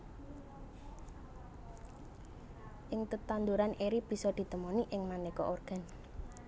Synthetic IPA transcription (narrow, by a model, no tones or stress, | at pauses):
ʔɪŋt̪ət̪and̪uɾaneɾib̥i̤sɔd̪̥i̤t̪əmɔniʔɪŋmanekɔ̰ʔorɡ̥a̤n